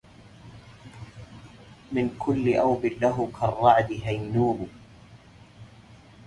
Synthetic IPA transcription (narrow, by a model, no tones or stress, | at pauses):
mɪnkʰʊlːɪʔawbɪlːaɦʊkʰarˤːɑʕd̪ɪɦajnuːbʊ